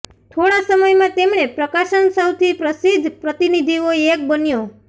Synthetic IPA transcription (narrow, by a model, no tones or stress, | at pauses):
t̪ʰoɽasəməjmãt̪emɳepɾəkaʃənsəwt̪ʰipɾəsid̪ʱpɾət̪inid̪ʱioek̚bənjo